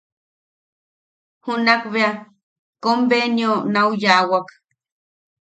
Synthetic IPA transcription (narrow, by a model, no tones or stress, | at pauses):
hunakβea | kombenjonaujaːwak